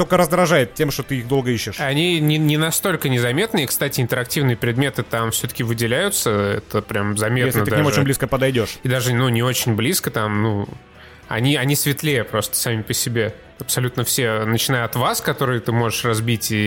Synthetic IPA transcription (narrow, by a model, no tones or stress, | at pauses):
t̪okəɾəzd̪ɾɐʐajɪt̪̚tʲːe̞mʂt̪ot̪ɨixd̪o̞lˠɡəiɕːɪʂɐnʲinʲɪnʲɪnɐst̪o̞lʲkənʲɪzɐmʲe̞t̪nɨikst̪atʲɪɪnt̪əɾɐktʲivnɨjəpɾʲɪd̪̚mʲet̪ɨt̪amfsʲot̪ə̥kʲɪvɨdʲɪlʲæjʊt̪səɛ̰t̪əpɾʲamzɐmʲet̪nəd̪d̪amot͡ɕɪnbliskəpəd̪ɐjdʲo̞ʂid̪aʐɨnunʲɪo̞t͡ɕɪnʲblʲiskət̪amnu | ɐ̰nʲiɐnʲisvʲɪt̪lʲejəpɾo̞st̪ə̥samʲɪpəsʲɪbʲe̞ | ɐpsɐlʲut̪nəfsʲenət͡ɕɪnajʊɐt̪vaskɐt̪o̞ɾɨjət̪ɨmo̞ʐɨʂrɐzbʲitʲi